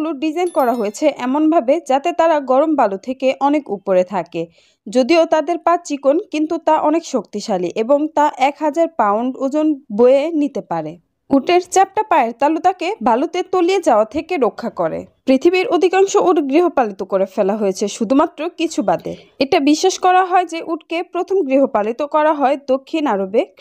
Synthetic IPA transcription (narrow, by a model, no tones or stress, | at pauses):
luɖid͡ʑajnkɔɾaɦojet͡ɕʰeʔɛmonbʱabed͡ʑat̪et̪aɾaɡɔɾombalut̪ʰekeʔɔnekupoɾet̪ʰake | d͡ʑod̪iot̪ad̪eɾpat͡ɕikonkint̪ut̪aʔɔnekʃok̚t̪iʃaliʔeboŋt̪aʔɛkɦad͡ʑaɾpawɳɖod͡ʑonboenit̪epaɾe | uʈeɾt͡ɕɛp̚ʈapaeɾt̪alot̪akebʱalot̪et̪olied͡ʑaoat̪ʰekeɾokʰːakɔɾḛpɾit̪ʰibiɾod̪ʱikaŋʃoʔuʈɡɾiɦopalit̪okoɾefɛlaɦojet͡ɕʰeʃud̪ʱumat̪ːɾokit͡ɕʰubad̪ḛ | eʈabiʃːeʃkɔɾaɦɔed͡ʑeʔuʈ̚kepɾot̪ʰomɡɾiɦopalit̪okɔɾaɦɔed̪okʰːinaɾobe